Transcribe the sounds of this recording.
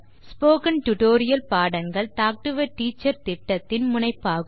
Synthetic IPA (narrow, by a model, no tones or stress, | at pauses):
spoːkɐnʈʊʈoːɾɪjɐlpaːɽɐŋɡɐɭt̪aːk̚ʈɯʋɐʈːiːt͡ʃːɐɾt̪ɪʈːɐt̪ːɪnmʊnɐɪpːaːɣɯ